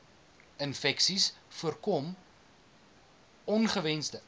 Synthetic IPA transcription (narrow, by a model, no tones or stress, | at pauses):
ənfɛksisfuərkɔm | ɔnχəvɛnsdə